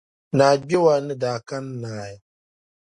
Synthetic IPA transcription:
naː˨ɡ͡be˦wa˨˦nɨ˦daː˨ka˦nː˦aː˨ja˦

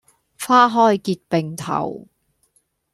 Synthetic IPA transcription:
faː˥ɦɔː˥jkiː˧t̚pe˨˩ŋt̪ʰɐ̰˨˩w

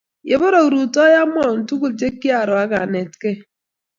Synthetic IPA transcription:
je˨bo˦ɾo˨ɾu˨tɔ˦ja˦m˦ɔ˦˨n̩˨tu˦ku˦˨t͡ʃe˦ki˦a˨ɾʊ˨a˦ɡa˨ne˨tke˦

